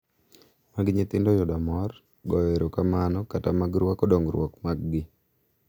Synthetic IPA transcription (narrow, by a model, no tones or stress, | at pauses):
maɡɲɪt̪ɪndɔjɔdamɔr | ɡɔjeɾokamanɔkatamaɡɾwakɔdoŋɡɾwɔkmaɡɡɪ